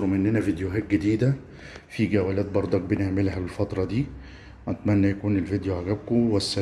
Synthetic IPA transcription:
ɾomʔenːænævid̪joɦæːt̪̚ɡed̪iːd̪æ | fiɡæwælæːt̪̚bɑɾˤd̪ˤɑk̚beneʕmelɦælfɑt̪ɾˤɑd̪iː | æt̪mænːæjækuːnelvid̪joʕaɡæb̚kowæsːæ

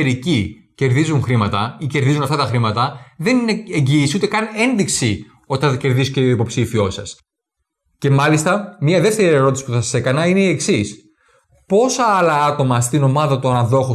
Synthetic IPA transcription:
eɾici | ce̞ɾðizuŋxɾimɐt̪ɐice̞ɾðizunɐft̪ɐt̪ɐxɾimɐt̪ɐðe̞nineeɲɟiːsiut̪e̞kɐne̞nðiksi | o̞t̪ɐce̞ɾðisceoipo̞psifio̞sɐs | ce̞mɐlist̪ɐmɲɐðe̞ft̪e̞ɾie̞ɾo̞t̪isi̥puθɐsɐ̥se̞kɐnɐine̞ie̞ksis | po̞sɐɐlɐɐt̪o̞mɐst̪ino̞mɐðɐt̪oɐnɐðo̞xo

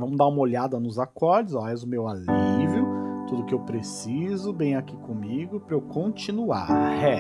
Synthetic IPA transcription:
vɐ̃mʊd̪aũmɐoʎad̪ɐnʊzakɔɾd͡ʒɪzaɛzʊmewalivjʊt̪ud̪ʊkɪewpɾesizʊbẽj̃akikõmiɡʊpɾewkõt͡ʃĩnua̰ɾhɛ

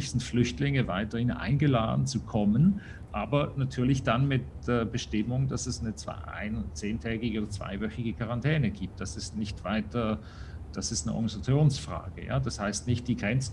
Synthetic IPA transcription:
ɪçz̥ɪntflʏçtlɪŋəvaɪtɐhɪnʔa̰ɪnɡəla̰ːdn̩t͡sukʰɔmən | ʔaːbɐnatʰyːɐlɪçd̥anmɪt̚d̥ɛbəʃtɪmʊŋdasɛsnət͡sv̥a̰ʔa̰ɪnt͡seːntʰɛːɡɪoːdɐt͡sv̥a̰ɪvœçɪɡəkʰaʁantʰɛːnəɡiːp̚t̚d̥asɪstnɪçtv̥aɪtɐ | d̥asɪstnəʔɔ̰ɡnizat͡sjoːnsfʁ̥a̰ːɡ̥ə̰ja̰ːd̥ashaɪstnɪçt̚d̥iːɡʁɛnt͡s

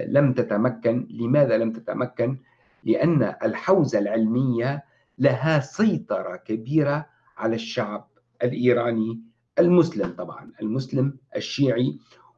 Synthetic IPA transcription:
lamt̪at̪amakːanlɪmaːðalamt̪at̪a̰mʔakːan | lɪʔanːʔalħawzalʕɪlmɪjːa | laɦasɑjt̪ˤɑɾˤɑkabiːɾa | ʕalaʃːaʕb̚ | ʔalʔiːɾɑːni | ʔalmʊslɪmt̪ˤɑbʕɑ̰nʔalmʊslɪmʔaʃːiːʕi

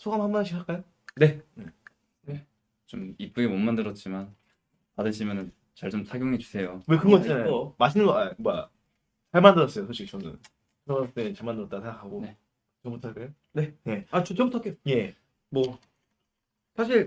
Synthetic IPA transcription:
sʰoɡamhamanɯɕʰikʰak͈ajo | ne̞ne | ne | t͡ɕomip̚k͈uɡemʌnmandɯɾʌt̚t͡ɕ͈iman | adɯɕʰimjʌnɯn | t͡ɕaɭt͡ɕomsʰaɡʲjoŋɦe̞t͡ɕu̥sʰe̞jowekɯɡʌt͡ɕ͈anajmaɕʰinɯnɡʌaoɯa | t͡ɕaɭmandɯɾʌs͈ʌjosʰoɕʰit͡ɕʌnɯ̰n | ʌet͡ɕaɭmandɯɾʌt͈asʰeŋɡakʰaɡone̞ | t͡ɕʌmbutʰak͈ejo | ne̞ne̞at͡ɕʌt͡ɕʌmbutʰak͈ejoje̞ | mwʌ | sʰaɕʰiɭ

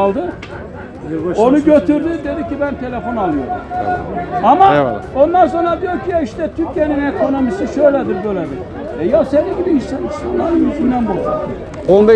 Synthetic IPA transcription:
lˠd̪ɯ | o̞nuɟø̞t̪ʰyɾd̪yd̪e̞d̪icibænt̪ʰe̞lʲefo̞nalˠɯjo̞ɾṵm | amao̞nd̪anso̞nɾad̪ijoɾcʰijɛiʃt̪ɛt̪ʰyɾcʰijeninekʰo̞no̞misiʃøjlʲɛd̪iɾbøjlʲɛd̪iɾ | ɛjasɛnd̪iɟʲibiiʃsɛnist̪ʰanlˠanɯnyzynd̪ænbolˠd͡ʒak̪ɯ | ond̪a

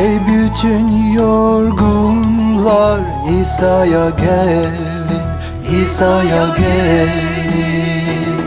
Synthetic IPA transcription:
ejbyt͡ʃʰynjoɾɡunlˠɑɾ | isɑjɑɡɛ | lin | isɑjɑɡɛl | mi

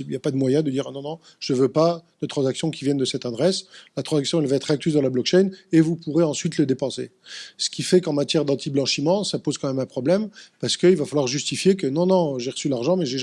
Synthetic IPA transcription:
iljapad̪əmwajɛ̃d̪əd̪iʁanɔ̃nɔ̃ | ʒ̥əvøpad̪̥ət̪χɑ̃zaksjɔ̃kʲivjɛnd̪əsɛt̪ad̪ʁɛslat̪χɑ̃zaksjɔ̃ɛlvaɛt̪χak̚t̪yzd̪ɑ̃lablɔkʃɛjnevupuʁeɑ̃sɥit̪ləd̪epɑ̃sḛ | sə̥kʲʰifɛkɑ̃mat̪jɛʁd̪ɑ̃t̪ʰiblɑ̃ʃimɑ̃sapozkɑ̃mɛmɛ̃pχɔblɛmpaʁsə̥kəilvafalwaʁʒyst̪ifjekənɔ̃nɔ̃ʒeʁəsylaʁʒɑ̃mɛʒe

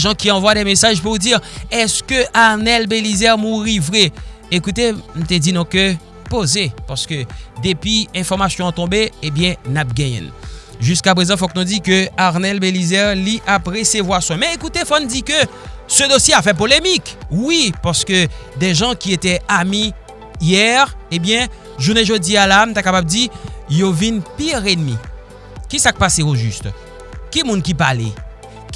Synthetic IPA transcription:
ʒɑ̃kʲiɑ̃vwad̪ɛmesaʒpuʁd̪iʁɛskøʔaʁnɛlbelizɛʁmuʁivʁɛ | ekut̪em̩t̪ɛd̪inɔ̃kø | pozepaʁsə̥kød̪epɥiɛ̃fɔʁmasjɔ̃ɑ̃t̪ɔ̃beebjɛ̃nap̚ɡɛ̃jɛ̰̃ | ʒyskapχezɑ̃fɔknɔ̃d̪ikøaʁnɛlbelizɛʁliʔapʁɛsevwaswɛ̃mɛekut̪efɔnd̪ikø | səd̪osjeafɛp̬olemikwipaʁsə̥kød̪ɛʒɑ̃kʲiet̪ɛami | jɛʁebjɛ̃ | ʒuʁneʒødialanũt̪akapab̚d̪ijovinpiʁenmḭ | kʲisak̚paseoʒyst̪ | kʲimũnkipalɛ̰

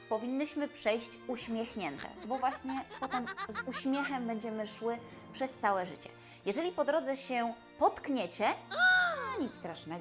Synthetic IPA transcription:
pɔvʲiɲːiɕmɘpʂɛjɕt͡ɕuɕmʲjɛxɲɛnt̪ɛ̰bɔvwaɕɲɛpɔt̪ɛmzuɕmʲjɛxɛmbɛɲd͡ʑɛmɘʂwɘ | pʂɛst̪sawɛʐɘt͡ɕɛ̥̰ | jɛʐɛlʲipɔd̪ɾɔd̪zɛɕɛ | pɔt̪kɲɛt͡ɕɛ | ɲit̪st̪ɾaʂnɛɡ

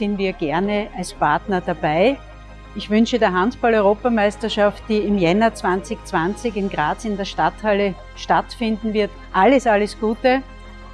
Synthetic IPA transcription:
sɪnviːɐɡɛɐnəalspʰaɐtnɐd̥abaɪ | ɪçvʏnʃədeːɐɦantb̥alɔʏʁoːpɐmæɪstɐʃaftd̥iːɪmjɛnɐt͡sv̥ant͡sɪçt͡sv̥ant͡sɪçɪnɡʁaːsɪndeːɐʃtathalə | ʃtatfɪndn̩vɪɐt | ʔaləsaləsɡ̥uːtə

